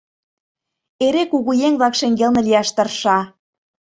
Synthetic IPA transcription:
eɾekuɣujeŋβlɑkʃeŋɡelnĕlijɑʃt̪ɤ̆rʃɑ

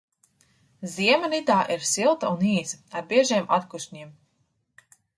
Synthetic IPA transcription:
ziɛmaɾid̪aːʔiɾsilˠt̪auniːzaɾbiɛʒiɛmʔa̰t̪kuʃɲiɛm

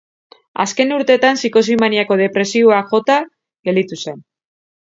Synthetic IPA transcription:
a̰ske̞nuɾt̪e̞t̪ansiko̞simaniako̞ð̞e̞pɾe̞sio̞akʝo̞t̪a | ɣeld̪it̪use̞n

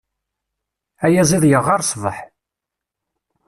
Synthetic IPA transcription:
æjæziðˤjəʁːɑɾˤsˤðˤə̰ħ

